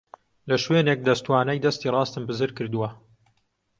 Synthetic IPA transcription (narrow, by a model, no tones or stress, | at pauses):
lɐʃweːnek̚d̪ɐst̪waːnɐjd̪ɐst̪iːrˤɑːst̪ɨmbɨzɨɾkɨɾd̪uwɐ